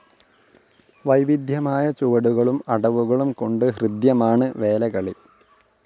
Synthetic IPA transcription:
ʋɐjʋid̪ʱjɐmaːjɐt͡ɕuʋɐɽuɣɐɭumɐɽɐʋuɣɐɭumkoɳɖɨɦrɨd̪jɐmaːɳɨʋe̞ːlɐɣɐɭi

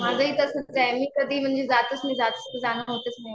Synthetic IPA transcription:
m̤aːd͡zʱaɦiːt̪əsət̪ʰd͡zaemiːkəd̪ʱiːm̤əɳd͡ʑezat̪əsmĩzat̪əszanaɦot̪əsna

